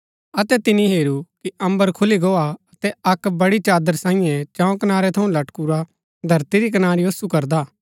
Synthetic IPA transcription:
ɐt̪ɛt̪ɪniɦeːɾukiɐ̃mbəɾkʰʊliɡoːaɐt̪ɛɐkbɐɽit͡ʃaːd̪əɾsãːĩjɛ̃t͡ʃãõkɐnaːɾɛt̪ʰɐũlɐʈkuɾa | d̪ʱɐɾt̪iɾikɐnaːɾiosukɐɾd̪aː

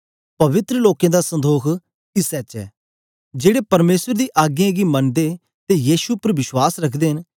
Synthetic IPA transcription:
pɐʋɪt̪ɾəloːkẽːd̪aːsə̃nd̪oːkʰ | kɪsɛt͡ʃɛ̰ː | d͡ʒeːɽepɐɾmeːsəɾd̪iːʔaːɡjãɡimɐnd̪e | t̪ejiːsuʊpəɾʋɪʃwaːsɾɐkʰd̪eːɦɪn

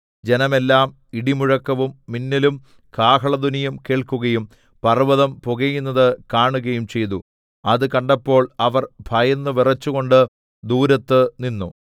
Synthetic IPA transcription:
d͡ʑe̞nɐme̞lːaːm | iɽimuɻɐkːɐʋumːinːilum | kaːkɦɐɭɐd̪unɐjɐmke̞ːɭkuɣɐjum | pɐrʋɐðɐmpoɣɐjunːɐðɨkaːɳuɣɐjumt͡ɕe̞jt̪u | ɐðɨkɐɳɖɐpːo̞ːɭɐʋɐrbʱɐjɐnːɨʋirɐt͡ɕːuɣo̞ɳɖɨ | d̪uːɾɐt̪ːɨninːu

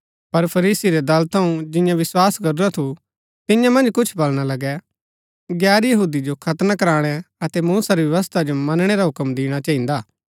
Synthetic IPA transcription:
pɐɾpʰɐɾiːsiɾɛd̪ɐlt̪ʰɐũd͡ʒɪ̃jãʋɪswaːskɐɾuɾat̪ʰu | t̪ɪjãmɐ̃nd͡ʒkʊt͡ʃʰbɐlɽ̃alɐɡɛ | ɡɛːɾjɐɦuːd̪id͡ʒokʰɐt̪nakɐɾaːɽ̃ɛɐt̪ɛmuːsaɾiʋjɐʋəs̬t̪ʰad͡ʒomɐnɽ̃eɾaɦʊkəmd̪iːɽ̃at͡ʃaːɦĩnd̪aː

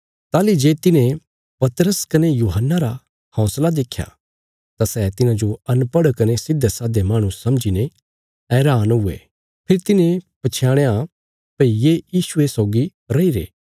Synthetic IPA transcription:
t̪aːlid͡ʒeːt̪ɪnẽ | pɐt̪əɾəskɐnejuːɦənːaɾa | hɔ̃ːslad̪eːkʰːja̰ | t̪asɛːt̪ɪnãd͡ʒoɐnpɐɽkɐnesɪd̪ʱesaːd̪emaːɽ̃usɐ̃md͡ʒine | ɛːɾaːnɦʊḛ | pʰɪɾit̪ɪnẽpɐt͡ʃʰjãːɽ̃ea | pɐijejiːsuesɔːɡi | ɾɐiɾḛː

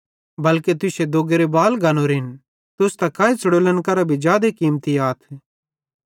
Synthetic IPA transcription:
bɐlket̪ʊsed̪oːɡeɾebaːlɡaːnoɾɪn | t̪ʊst̪akaːit͡səɽoːlənkɐɾabʱid͡ʒjaːd̪ekiːmt̪iaːt̪ʰ

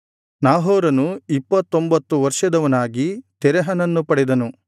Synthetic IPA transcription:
naːɦɔːɾɐnuipːɐt̪ːo̞mbɐt̪ːuʋɐɾʂɐd̪ɐʋɐnaːɡit̪ɛɾɛɦɐnɐnːupɐɽɛd̪ɐnu

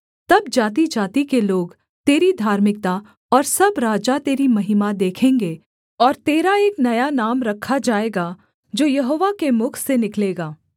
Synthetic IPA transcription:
t̪ɐbd͡ʒaːt̪id͡ʒaːt̪ikeloːɡ | t̪eːɾid̪ʱaːɾmɪk̚t̪a | ɔːɾsɐbɾaːd͡ʒat̪eːɾimɐɦɪmad̪eːkʰẽːŋɡeː | ɔːɾt̪eːɾaeːknɐjanaːmɾɐkʰːad͡ʒaːeːɡa | d͡ʒoːjɐɦoːʋakemʊkʰsenɪkleːɡaː

